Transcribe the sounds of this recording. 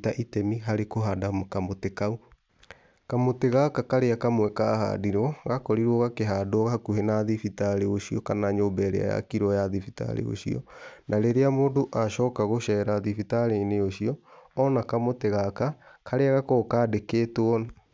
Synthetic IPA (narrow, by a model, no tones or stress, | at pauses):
taʔitɛmiɦaɾekoɦadamokamotekau | kamoteɣakakaɾeakamwɛkaha̰diɾɔɣakɔɾiɾɔɣakeɦaːdoɔɣahakuɦenaðifitaɾeoɕiɔkanaɲoːbɛɾḛa̰ja̰kiɾwɔjaðifita̰ɾḛo̰ɕiɔ̰nʔaɾeɾeamoːdoʔaʃɔkaɣoʃɛɾaðifitaɾeneoɕiɔɔnakamoteɣakakʰaɾeaɣakokaːdekeːtwɔna